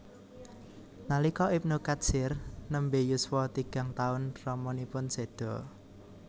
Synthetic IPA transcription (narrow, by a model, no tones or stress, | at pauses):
nalikɔʔip̚nukḁsɪrnəmbejuswɔt̪iɡ̥a̤ŋt̪aʊnrɔmɔnipʊnsed̪̥ɔ̤